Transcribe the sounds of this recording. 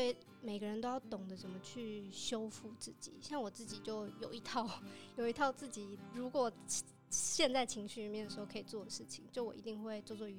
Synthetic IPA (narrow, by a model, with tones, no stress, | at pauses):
we˥˩ɪ | me˨˩ɪɡə˦ɻə˧˥nt̪o˥ʊjɑ˥˩ʊt̪ʊ˨˩ŋd̪ə˦ʂə˨˥nmə˧˦t͡ɕʰy˥˩ɕjo˥ʊfu˥˧t͡sɹ̩˥˩t͡ɕḭ˨˩˦ɕjɑ˥˩ŋwɔ˨˩t͡sɹ̩˥˩t͡ɕi˨˩t͡ɕjo˥˩ʊjo˨˩ʊi˧˥t̪ʰɑ˥˧ʊjo˨˩ʊi˧˥t̪ʰɑ˥˧ʊt͡sɹ̩˥˩t͡ɕi˨˩ɻu˧˥kwɔ˨˩ | ɕjɛ˥˧nt͡sa˥˩ɪt͡ɕʰi˧˥ŋɕy˥˩ɻmjɛ˥˩nd̪ʂ̩ɻ̩˧˥xʊkʰi˨˩t͡swɔ˥˩d̪ə˩ʂɻ̩˥˩t͡ɕʰi˨˦ŋt͡ɕjo˥˩ʊwɔ̰˨˩ḭ˧˥i˥˧ŋxwe˥˧ɪt͡swo˥˧t͡swɔ˥˩y˧